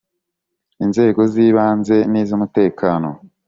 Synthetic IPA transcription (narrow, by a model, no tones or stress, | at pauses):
inze̞ːɡo̞ziːβaːnze̞niːzomute̞ːkʰaːno̞̰